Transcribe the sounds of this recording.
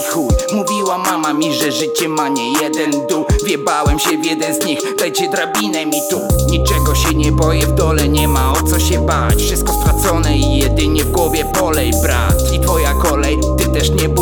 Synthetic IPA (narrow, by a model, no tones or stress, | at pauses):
xumuvʲiwamamamʲiʐɛʐɘt͡ɕɛmaɲɛjɛd̪ɛnd̪uvʲjɛbawɛmɕɛvʲjɛd̪ɛnzɲixd̪ajt͡ɕɛd̪ɾabʲinɛmʲit̪uɲit͡ʂɛɡɔɕɛɲɛbɔjɛvd̪ɔlɛɲɛmaɔt̪sɔɕɛbat͡ɕfʂɨst̪̚kɔst̪ɾat̪sɔnɛijɛd̪ɘɲɛvɡwɔvʲjɛpɔlɛjbɾa̰t̪it̪fɔjakɔlɛjt̪ɨt̪ɛʂɲɛb